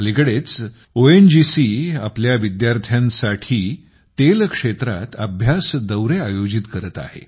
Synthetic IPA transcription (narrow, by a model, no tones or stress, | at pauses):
likəɽet͡s | oend͡ʑisia̰pljaʋid̪jaɾt̪ʰjãnsaʈʰiː | t̪elkʂet̪ɾa̰t̪əbʱjasd̪əwɾeajod͡ʑit̪kəɾət̪a̰hḛ